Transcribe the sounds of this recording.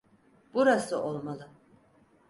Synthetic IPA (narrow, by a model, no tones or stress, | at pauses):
b̥uɾasɯʔolˠmalˠɯ